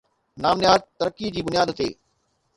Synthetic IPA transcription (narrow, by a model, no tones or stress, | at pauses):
naːmnɪjaːɾt̪ɐɾəkːid͡ʑiːbʊnjaːd̪t̪ḛː